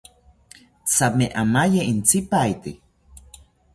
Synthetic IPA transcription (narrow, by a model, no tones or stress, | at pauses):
t͡sameʔamajeint͡sipait̪i